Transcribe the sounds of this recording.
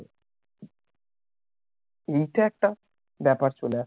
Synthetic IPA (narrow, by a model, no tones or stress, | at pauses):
ejʈaɛk̚ʈa | bɛpaɾt͡ɕolea